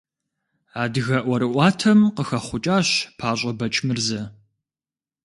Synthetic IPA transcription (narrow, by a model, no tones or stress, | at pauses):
aːdɨɣɐʔʷɔɾɨʔʷɑːtʰɐmqəxɐχʷʊt͡ʃʼaːɕpʰaːɕʷʼɐbɐt͡ʃʼmɨrzɐ